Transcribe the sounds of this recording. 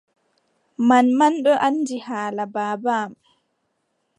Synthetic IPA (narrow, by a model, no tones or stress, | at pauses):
manmanɗɔʔanːd͡ʒihaːlabaːbaːm